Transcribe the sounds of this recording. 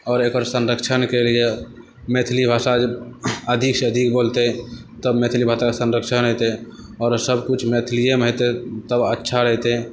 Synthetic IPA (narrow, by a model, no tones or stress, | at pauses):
ɔːɾekəɾsənɾəkt͡ʃʰənkelie | met̪ʰlibʱaːsad͡ʒəbəd̪ʱikseəd̪ʱik̚bolt̪et̪əbmet̪ʰlibʱataesə̃nɾəkt͡ʃʰənɦot̪e | ɔːɾsəbkut͡ʃʰmet̪ʰlijemɦot̪et̪əbətːʃʰaɾəɦt̪e